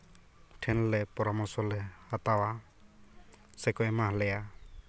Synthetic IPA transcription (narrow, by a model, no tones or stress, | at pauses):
ʈʰɛnlɛpɔɾɔmɔsɔlɛat̪awa | sɛkɔɛmaɦlɛja